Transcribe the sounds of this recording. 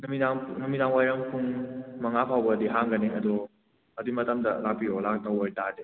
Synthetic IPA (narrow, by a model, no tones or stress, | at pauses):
numidaŋnumidaŋwajɾɐŋpʰuŋmɐŋapʰawbɐdiɦaŋɡɐneŋɐdɔ | ɐdimɐtɐmdɐ̰lak̚piolak̚dawɔjtade